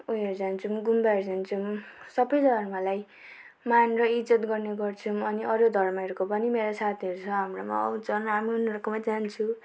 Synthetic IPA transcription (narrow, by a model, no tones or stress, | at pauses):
ujʌɾd͡zant͡sʰumɡumbaɾd͡zant͡sʰumsʌbʌjd̪ʱʌrmʌlaj | manrʌid͡zʌt̪ɡʌrneɡʌrt͡sʰumʌniʔʌɾod̪ʱʌrmʌeɾkopʌnimeɾasat̪ʰiʌɾut͡sʰʌɦamrama̰ʌ̰wt͡sʰʌnɦamiunɾʌkomad͡zant͡sʰu